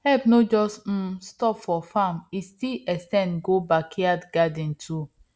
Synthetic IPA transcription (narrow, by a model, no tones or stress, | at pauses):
hɛpnod͡ʒɔstm̩stɔpfɔfamistilɛstɛ̃nɡobakhiadɡadĩntʰu